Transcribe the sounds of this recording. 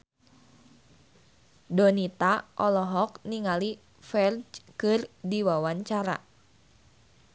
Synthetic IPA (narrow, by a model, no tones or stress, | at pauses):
dɔnit̪aʔɔlɔɦɔk̚niŋali | fɛrd͡ʒkɨrdiwawaɲt͡ʃaɾa̰